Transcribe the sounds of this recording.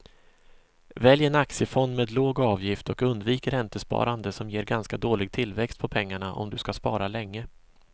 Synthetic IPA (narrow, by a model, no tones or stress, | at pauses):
vɛljɛnaksɪəfɔnd̪meːd̪loːɡɑːvjɪft̪ɔkɵnd̪viːkəɾɛnt̪əspɑ̰ːɾand̪əsɔmjeːɾɡanskad̪oːlɪɡ̚t̪ʰɪlːvɛkst̪pʰɔpʰɛŋːaɳaʔɔ̰md̪ɵskaspɑ̰ːɾalɛŋːə